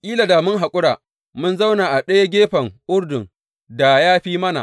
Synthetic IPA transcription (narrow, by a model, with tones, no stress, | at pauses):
ʔʲʼiː˦la˨daː˨mʊ˦ŋɦa˨kʷʼʊ˦ɽaː˨ | mʊ˦nza˦wnaː˨ʔa˨ɗɐ˦ja˦ɡʲeː˦ɸɐ˨ŋʔʊ˦ɽdʊ˨ŋ | da˨jaː˦ɸiː˦mɐ˦na̰˨